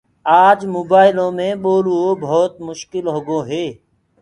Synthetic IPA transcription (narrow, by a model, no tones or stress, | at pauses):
aːd͡ʒmoːbaːɪlõːmẽːɓoːluobʱoːt̪̚mʊʃkɪlɦoːɡoːɦeː